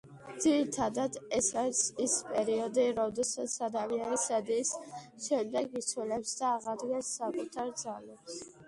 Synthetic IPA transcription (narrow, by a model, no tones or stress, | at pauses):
d̪z̥iɾit̪ʰad̪ad̪ɛsaɾisispʼɛɾiɔd̪iɾɔd̪ɛsat̪sʰad̪amianisad̪iːsʃɛmd̪ɛɡit̪sʰwɛlɛpsd̪aːʁad̪ɡɛnsːakʼut̪ʰaɾd̪zalɛps